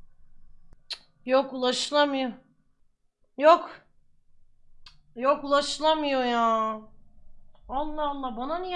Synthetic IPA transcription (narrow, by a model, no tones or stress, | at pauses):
jokulˠaʃɯlˠamɯjo | jok | jokulˠaʃɯlˠamɯjojaː | onlˠaonlˠabananij